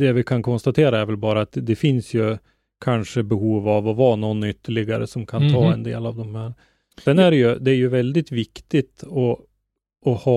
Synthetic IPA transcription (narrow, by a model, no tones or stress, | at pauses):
d̪ɛvɪkʰankʰɔnst̪at̪ʰeːɾaæɾvɛlbɑːɾaːt̪d̪ɛfɪnsjɵ | kʰanʂəbɛhuːvavɔvɑːnɔnːʏt̪ːəɭɪɡaɾə̰sɔmkʰant̪ʰɑːɛnd̪ḛːlavd̪ɔmhæːɾ | sɛnæɾɛjɵd̪ɛæɾjɵvɛld̪ɪt̪vɪkt̪ɪt̪ɔ | ɔhɑː